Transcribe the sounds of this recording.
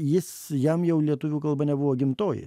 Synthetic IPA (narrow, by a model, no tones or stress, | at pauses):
jɪs | jɛmjɛʊlʲiɛt̪ʊʋʲuːkɐlˠbɐnʲɛbʊʋoːɡʲɪmt̪oːjɪ̰